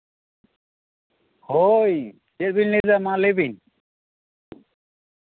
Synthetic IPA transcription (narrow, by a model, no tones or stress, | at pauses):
hoj | d͡ʒɛt̚binlɛzamalebin